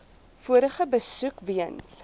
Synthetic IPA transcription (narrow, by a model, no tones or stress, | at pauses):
fuəɾəχəbəsʉkviəns